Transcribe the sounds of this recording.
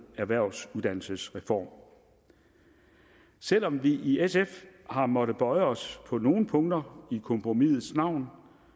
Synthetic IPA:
æɐʋæɐ̰ʊ̰suðˠd̥æn̰l̩səsʁɛfɒ̰ːm | sel̰ɒ̽mʋiʔiesefhɑ̈mɒ̽ɾ̥əb̥ɒ̽ɪəɒ̽spʰɒ̽no̝ːn̩pʰɔ̽ŋd̥ɐikʰɒ̽mpʰʁomið̩ˠsnɑ̈ʊ̰n

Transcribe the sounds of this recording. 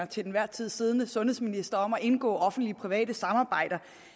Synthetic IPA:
ɐt͡sʰe̝ld̥enʋæɐ̰t͡sʰið̞̰ˠsiːð̞ˠənəsɔ̽nheðˠsminisd̥ɐɒ̽mæʔe̝nɡ̥ɔ̰ːɒ̽fn̩d̥liəpʰʁiʋɛ̰ːd̥əsɑ̈mɑ̈ːb̥ɑ̈ɪ̰d̥ɐ

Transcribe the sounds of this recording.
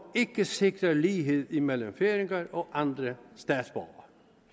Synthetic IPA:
ɪkːəsɪkɾəliːɦeːt̪ɪmɛlːɔmfeːɾɪŋɑɾɔʔɑnd̪ɾəst̪æːt̪sb̥ɑ̰ːɑ̰ɾ

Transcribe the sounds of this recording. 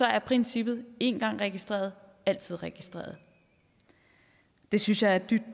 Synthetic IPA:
sɒ̽æɐpʰʁɛnsib̥ð̞̩ˠe̝nɡ̥ɑ̈ŋ̰ʁɛɡ̥isd̥ʁḛːɐðˠ | æl̰t͡sʰið̞̰ˠʁɛɡ̥isd̥ʁḛːɐðˠ | d̥e̝synsjɑ̈ɪæɐd̥yb̥̚d̥

